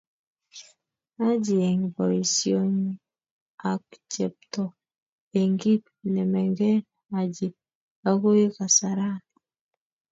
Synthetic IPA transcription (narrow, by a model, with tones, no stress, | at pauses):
a˦d͡ʒi˨e˨ŋ˨bɔ˨i˨sjo˦ɲi˦ | a˨k̚t͡ʃɛ˨p̚tɔ˨ | e˨ŋɡi˦p | nɛ˨mɛ˨ŋɡɛ˦ɾ | a˨d͡ʒi˨ | a˦ko˦je˦ka˨sa˨ɾa˦